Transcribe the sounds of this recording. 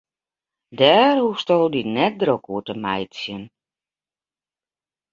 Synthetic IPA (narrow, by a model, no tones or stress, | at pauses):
dɛːrhustolˠdinɛt̚drokuətəmɛjtsjən